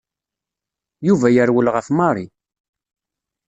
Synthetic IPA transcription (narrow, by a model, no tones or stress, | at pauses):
juvæjəɾwəlʁəfmɑɾˤi